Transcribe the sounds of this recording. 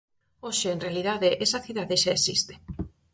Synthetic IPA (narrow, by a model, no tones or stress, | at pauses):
oʃeːnrealiðaðeʔesɐθiðaðeʃaesḭst̪e̥